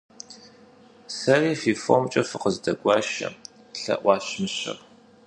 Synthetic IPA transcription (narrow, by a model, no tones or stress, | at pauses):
sɐriːfiːfomt͡ʃʼɐfɨqəzdɐɡʷɑːʃɐ̰ | ɬɐ̰ʔʷɑːɕmɨɕɐ̰r